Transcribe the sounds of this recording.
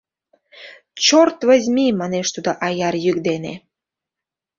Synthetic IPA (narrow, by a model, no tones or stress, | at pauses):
t͡ɕort̪və̆zʲmimɑneʃt̪ud̪oʔɑjɑrjyk̚d̪enḛ